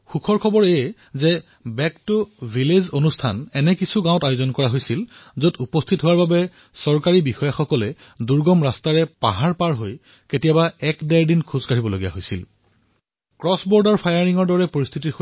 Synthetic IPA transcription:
xukʰɔɹkʰɔbɔɹɛ | zɛ | bɛktʊvʱilezonustʰanɛnɛkisuɡãʊ̃tajozɔnkɔɹaɦojsilzotupɔstʰitɦowaɹbabɛ | sɔɹkaɹibixɔjaxɔkɔlɛ | duɹɡɔmɹastaɹɛpa̰ɦaɹpaɹɦoj | ketijabaɛkdajdinkʰuzkaɹibɔloɡija̰ɦojsḭl | kɹɔsbɔɹdaɹpʰajaɹiŋɔɹdɔɹɛpoɹist̪ʰitix

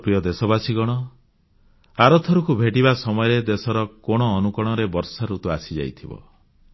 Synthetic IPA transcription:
pɾijɔd̪esɔbasiɡɔɽ̃ɔ | aɾɔt̪ʰɔɾukubʱeʈibasɔmɔjɔɾed̪esɔɾɔkɔɽ̃ɔːnukɔɽ̃ɔɾebɔɾsaɾut̪ua̰sid͡ʒa̰jt̪ʰibɔ̰

